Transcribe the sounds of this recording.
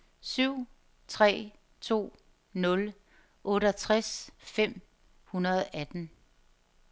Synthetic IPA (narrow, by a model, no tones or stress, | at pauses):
syʊ̰ | t͡sʰʁɛ̰ː | t͡sʰo̝̰ː | nɔ̽l | ʔɔ̽ːɾəɐt͡sʰʁasfem̰ | hunɐð̞̩ˠæd̥n̩